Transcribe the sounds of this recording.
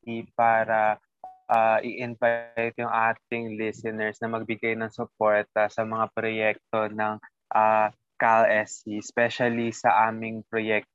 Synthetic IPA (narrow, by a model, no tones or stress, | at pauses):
ipaːɾɐ | ʔaʔiʔɪnvajt̪jʊŋaːt̪̚ɪŋlɪsɛnɛɹsnɐmɐɡ̚bɪɡajnɐŋsʊpo̞ɹt̪ɐsɐmɐŋapɾojɛk̚t̪o̞nɐŋ | ʔa | kalɛsispɛʃɐlisɐʔaːmɪŋpɾojɛk̚t̪